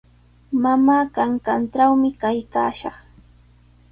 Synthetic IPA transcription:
mamaːkaŋkanʈ͡ʂawmɪkajka̰ːʃɑχ

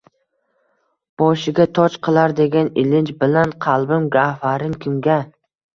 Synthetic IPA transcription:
b̥ɒʃɪɡʲat̪ʰɒt͡ʃqʰɨlˠaɾd̪e̞ɡʲanɪlɪnt͡ʃbɪlanqʰɑlˠbɪmɡʲafaɾɪŋkʲʰʊmɡʲa

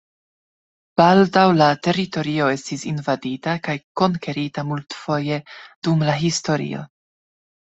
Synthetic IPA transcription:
b̥aldawlate̞ɾito̞ɾio̞e̞stisinvaditakajko̞ŋke̞ɾitamultfo̞je̞d̥umlaɦisto̞ɾḭo̞̰

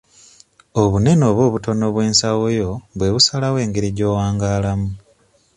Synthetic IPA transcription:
o̞βune̞no̞ːβwo̞ːβuto̞no̞βwe̞ːnsawojo̞βwe̞βusalawe̞ːŋɡeɾiɟo̞ːwaːŋɡaːlamu

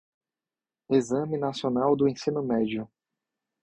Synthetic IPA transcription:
ezɐ̃mɪnasionawd̪ʊẽsĩnʊmɛd͡ʒʊ

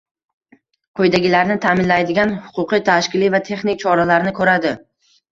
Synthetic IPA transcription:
qʰojd̪aɡʲɪlaɾnɪt̪ʰamɪnlajd̪ɪɡʲanhʊ̥qʰʊqijt̪ʰaʃkʲɪlivat̪ʰe̞χnɪk̚ʲt͡ʃʰɒɾalaɾnɪkʰɵɾad̪ɪ

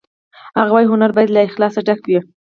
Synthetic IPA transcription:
haɣawɑjɦʊnaɾbɑjad̪laɪxlɑsaɖakwi

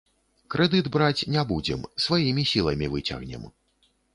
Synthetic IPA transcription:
kɾɛd̪ɨd̪bɾat͡sʲnʲabud͡zʲɛ̰msvajimʲisʲilˠɐmʲivɨt͡sʲa̰ɣnʲɛ̰m

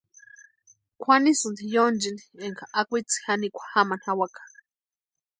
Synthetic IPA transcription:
kʷʰanisɨnd̪ijond͡ʒinieŋkʰaʔakʷit͡si̥hanikʷʰḁhamanhawakḁ

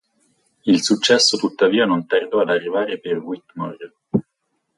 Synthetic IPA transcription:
ilsut͡ʃːɛsːot̪ut̪ːaviːanont̪ard̪ɔad̪arːivaːɾeperwit̪mɔr

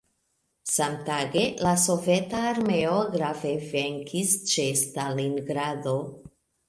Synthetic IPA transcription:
samtaɡe̞laso̞ve̞taːɾmeoɡɾaveveŋkʰist͡ʃestaliŋɡɾado̞

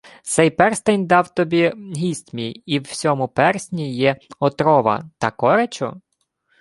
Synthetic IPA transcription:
t̪sɛjpɛrst̪ɐjnd̪ɑwt̪ɔbʲiɦʲisʲt̪ʲmʲijiwsʲɔmʊpɛrsʲnʲijɛɔt̪ɾɔʋɐ̰t̪ɐkɔɾet͡ʃɔ̰

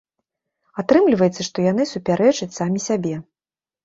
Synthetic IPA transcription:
at̪ɾɨmlʲivɐjɛt̪sːɐʂt̪ɔjanɨsupʲaɾʔɛt͡ʂɐt͡sʲsamʲisʲabʲɛ

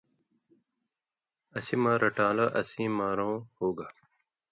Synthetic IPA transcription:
ɐsimãːɾɐʈãːlɐʔɐsĩːmaːɾõːhoːɡa

